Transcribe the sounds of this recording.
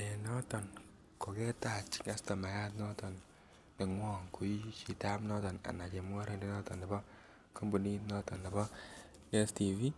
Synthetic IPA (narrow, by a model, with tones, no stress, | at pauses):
e˨nɔ˦tɔ˨n | ko˨kɛ˦ta˨t͡ʃi̥˨ŋa˦stɔ˨ma˨ja˦tnɔ˦tɔ˨n | ne˨ŋwɔ˦ŋku˨i˦t͡ʃi˨ta˦pnɔ˦tɔ˨na̰˨na˨t͡ʃe˨mwɔ˦ɾe˦nde˨nɔ˦tɔ˨nɛ˨bɔ˦ | ko˦mbu˨ni˦tnɔ˦tɔ˨nːɛ˨bɔ˦ | e˦sti˨vi˦